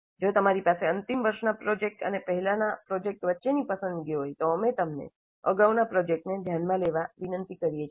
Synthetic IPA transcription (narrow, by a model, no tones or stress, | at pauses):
d͡ʒot̪əmaɾipaseənt̪imʋəɾʃnapɾod͡ʒek̚ʈə̰nepəɦɛlanapɾod͡ʒek̚ʈʋətːʃenipəsə̃nd̪ɡeɦojt̪oəmet̪əmnḛ | ə̰ɡaʋnapɾod͡ʒek̚ʈned̪ʱjanmãleʋaʋinənt̪ikəɾijet͡ʃʰ